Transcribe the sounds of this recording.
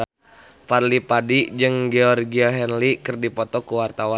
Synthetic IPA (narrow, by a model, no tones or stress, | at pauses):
parlipadid͡ʒɨŋɡɛɔrɡiaɦɛnlikɨrdipɔt̪ɔkuwart̪awa